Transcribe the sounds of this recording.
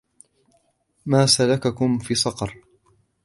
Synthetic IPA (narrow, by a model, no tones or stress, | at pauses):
maːsalakakʊmfiːsˤɑqɑɾˤ